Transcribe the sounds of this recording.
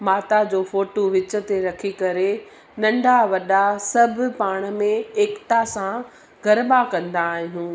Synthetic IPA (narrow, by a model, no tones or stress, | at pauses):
maːt̪ad͡ʑoːfoːʈoʋɪt͡ɕə̆t̪eɾɐkʰikɐɾe | nɐ̃ɳɖʱaʋɐɗasɐbʱʊ̆paːɽ̃əmẽeːkt̪asã | ɡʱɐɾbakɐ̃nd̪aːɦijũː